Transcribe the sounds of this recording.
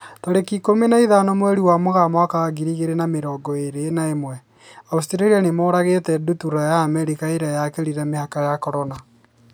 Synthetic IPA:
toɾekikomenaiðanɔmwɛɾiwamoɣamaakaaɡiɾiɣeɾenameɾɔːɡɔeɾenaemwɛ | austɾaɾianemoːɾaɣetɛdutuɾajaːmɛɾikaeɾajakeɾiɾamehakajakɔɾɔna

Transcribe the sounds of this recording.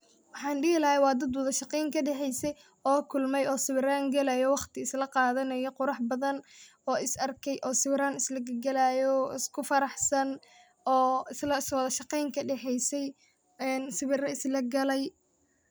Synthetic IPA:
wɑħɑːnɖɪɡɪlɐhɛjwɑːd̪ɐd̪wɔðɐʃɑqɛjŋkʰɐɖɛħɛjsɛj | ɔːkʰʊlmɛjɔːsɪβɪɾaːŋɡɐlajɔwɑχt̪ʰɪɪslɐqɑːðɐnɐjɔqʊɾɑħbɐðɐn | ɔːɪsɐrkʰɛjʔɔːsɪβɾaːnɪslɐɡɐɡɐlaːjɔɪskʰʊfɐɾɑħsɐn | ɔːɪslɐɪswɐðɐʃɑqɛjŋkʰɐɖɛħɛjsɛj | ɛːnsɪβɪrɐɪslɐɡɐlɛj

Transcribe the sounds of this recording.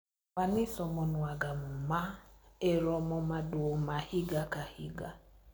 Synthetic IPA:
wanɪsɔmɔnwaɡamumaeɾɔmɔmaduomahiɡakahiɡa

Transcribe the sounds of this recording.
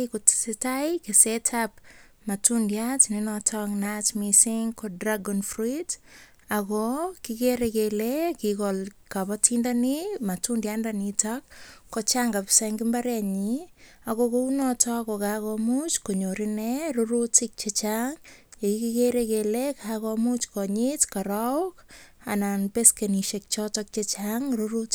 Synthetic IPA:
kotsetajkesɛtʰap̚ | matundjatninɔtʰɔknatmisiŋkodraɡɔnfrit | akɔkikeɾekelekikɔl | kapɔtʰindanimatundjandanitak̚ːɔt͡ʃaŋɡapsaŋɡimbaɾɛɲi | akokounɔtɔkɔkakɔmut͡ʃkoɲoɾineruɾutik̚t͡ʃet͡ʃaŋekikikeɾekelekʰakɔmut͡ʃkɔɲitkaɾak | ananpeskeniʃek̚t͡ʃɔtɔk̚t͡ʃet͡ʃaŋruɾut

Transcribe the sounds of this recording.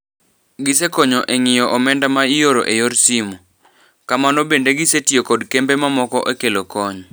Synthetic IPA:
ɡɪsekɔɲɔʔeŋɪjɔʔɔmɛndamaijoɾoʔejoɾsimɔ | kamanɔbendeɡɪsetiokɔdkembemamɔkɔʔekelokɔɲɔ

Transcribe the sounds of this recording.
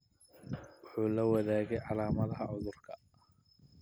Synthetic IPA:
wʊħuːlɐwɐðaːɣɛjʕɑlaːmɐðɐɦɐʕʊðʊrkʰɐ

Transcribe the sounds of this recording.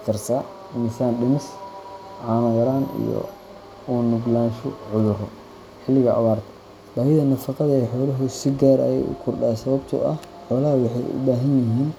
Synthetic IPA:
t̪ʰɐrsaː | nisaːnɖɪmɪs | ʕɑːnɐjɐɾaːnḭjɔ̰ | uːnʊɡlaːnʃʊʕʊðʊrɔ | ħɪlːɪɣɐʔɐ̰βaːrt̪ʰɐ̥ | b̥aːhɪðɐnɐfɑqɑðɐɛħɔːlɐɦʊsɪɡaːɾɐ̰jɛ̰jʔʊ̰kʰʊrɖaːsɐβɐbt̪ʰʊ̰ʔɐ̰ħɔːlɐɦɐwɑħɑjʔʊ̰baːɦɐnjɪɦiːn

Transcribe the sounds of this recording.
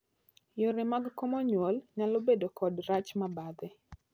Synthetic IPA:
joɾɪmaɡkomɔɲwɔlɲalobedokɔdɾat͡ʃmabad̪ɪ

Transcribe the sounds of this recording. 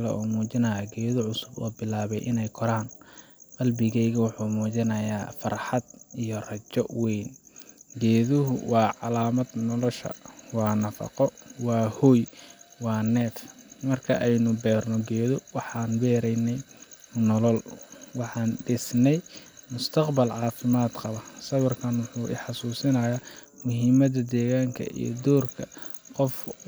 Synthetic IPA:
lɛ̰ɔːmuːt͡ʃɪnɐjaːɡɛːðɔʕʊsʊbɔ̰ːbɪlaːβɛjʔɪnɛjkʰɔɾaːn | qɑlbɪɣɛjɣɐwʊħuːmuːt͡ʃɪnɐjaːfɐrħɑd̪̚ijɔrɐt͡ʃɔʔwɛjnɡɛːðʊɦʊwɑːʕɑlaːmɐd̪nɔlɔʃɐ̰wɑːnɐfɑ̰qɔwɑːhɔːjwɑːnɛːt̪mɐrkʰɐʔɛjnʊbɛːrnɔɡɛːðɔwɑħɑːnbɛːɾɛjnɛjnɔlɔlwɑħɑːnɖɪsnɛjmʊst̪ʰɐqbɐlʕɑːfɪmaːd̪qɑβɐsɐβɐrkʰɐnwʊħuːʔɪ̰ħɑsuːsɪnɐja | mʊɦimɐðɐd̪ɛːɣaːŋkʰɐ̰ʔḭj̰d̪ɔːrkʰɐqɔf

